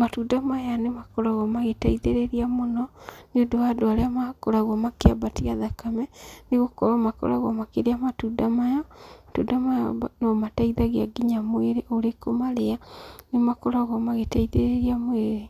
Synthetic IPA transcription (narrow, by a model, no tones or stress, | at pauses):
matudamajanemakɔɾaɣamaɣetaiðeɾeɾiamonɔneodowadoaɾeamakoɾaɣwamakeabatiaðakamɛneɣokɔɾamakɔ̰ɾaɣwamakeɾeamatudamajamatṵdamajabnɔmataiðaɣeaɡiɲamweɾeʔoɾekomaɾeanemakoɾaɣwamaɣetaiðeɾeɾiamweɾe